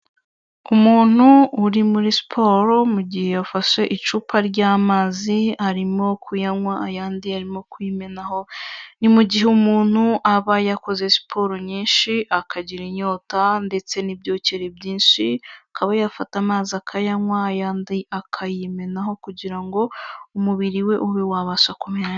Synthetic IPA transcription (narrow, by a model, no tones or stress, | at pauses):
umuːn̥huːɾimuɾisi̥pʰo̞ɾomuɟihe̞jafaʃe̞ʔit͡ʃuːpʰaɾɟaːmaːzihaɾimo̞kʰujaŋwaajaːndihaɾimo̞kujime̞naɦo̞nimuɟiɦe̞umuːn̥huʔaβajako̞ze̞si̥pʰo̞ɾoɲiːnʃiʔakʰaɟiɾiɲo̞ːtande̞t͡se̞nibjo̞ːce̞ɾebɟiːnʃiakʰaβajafatamaːzakʰajaŋwaːjaːndiʔakʰajime̞naɦo̞kuɟiɾaŋɡo̞umuβiɾiwe̞ʔuβewaβaʃakomeɲa